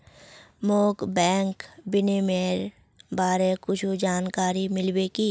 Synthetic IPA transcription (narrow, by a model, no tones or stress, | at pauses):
moːkbɛ̃ːŋkbɪnemeɾ | baːɾekʊt͡ʃʰud͡ʒaːnkaːɾimɪlbeːkiː